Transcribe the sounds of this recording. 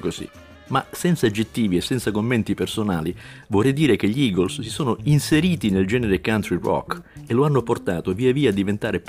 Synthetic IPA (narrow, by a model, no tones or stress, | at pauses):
kosḭ | masɛnt̪saːd͡ʒːet̪ːiːviesːɛnt̪sakomːɛnt̪ipersonaːlivorːɛjd̪iːɾek̟eʎːiiːɡolsːisoːnoinseɾiːt̪ineld͡ʒɛːneɾekant̪ɾirɔ̰keloanːoport̪a̰ːt̪oviːaviːaːd̪ːivent̪aːɾep